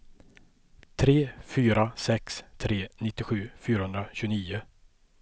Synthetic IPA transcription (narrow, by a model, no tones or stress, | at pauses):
t̪ʰɾeːfyːɾasɛkst̪ʰɾeːnɪt̪ːɪɧʉ̟ːfyːɾahɵnd̪ɾaɕɵniːʊ